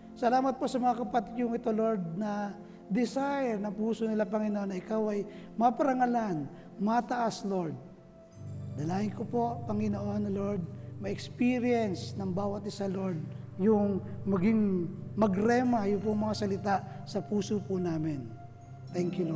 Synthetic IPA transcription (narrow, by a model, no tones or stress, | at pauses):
sɐlaːmɐt̪̚posɐmɐŋakɐpɐt̪ɪkjʊŋɪt̪oloɹd̪̚nɐ | d̪ɪsajɛɾnɐŋpuːsonɪlapɐŋɪnoʔo̞nːɐʔɪkawʔɐjmɐpɐɾɐŋɐlan | mɐt̪ɐʔasloɹd̪̚ | d̪ɐlaːjɪnkopo̞pɐŋɪnoʔo̞nːlo̞ɹd̪̚mɐʔɛkspiɾɪjɛnsnɐŋbaːwɐt̪̚ɪsɐloɾd̪̚ | jʊŋmɐɡiŋmɐɡɾɛmɐjʊŋp̬ʊŋmɐŋasɐlɪt̪aʔ | sɐpuːsopʊnaːmɪn | t̪ɛŋkjʊlo